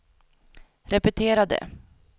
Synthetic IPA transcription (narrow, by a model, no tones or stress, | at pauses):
ɾɛpɛt̪ʰeːɾad̪ə̰